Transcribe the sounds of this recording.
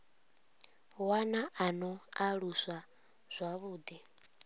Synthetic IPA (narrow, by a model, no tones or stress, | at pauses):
wanaʔanɔaɺusa | z̥ʷaβuːd̪i